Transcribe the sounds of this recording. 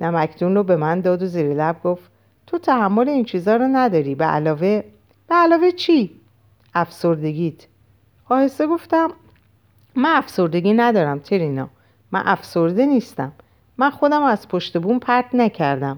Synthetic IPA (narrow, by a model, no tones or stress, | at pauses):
næmæcʰd̪unrobe̞mænd̪ɒːd̪oziːɾelæb̚ɡo̞ft̪ | t̪ʰot̪ʰæhæmːo̞leint͡ʃʰiːzɒːɾɔnæd̪ɒːɾiːbeʔæ̰lɒːve̞ | b̥eælɒːve̞t͡ʃʰi | æfso̞ɾd̪e̞ɡiːt̪ʰ | xɒːhese̞ɡo̞ft̪æmː | ænæfso̞ɾd̪e̞ɡiːnæd̪ɒːɾæmt̪ʰeɾinɒ̰ː | mæ̰nʔæfso̞ɾd̪e̞niːst̪æmː | ænxo̞d̪æmæz̥pʰoʃt̪e̞bunpʰæɾt̪næcʰæɾd̪æm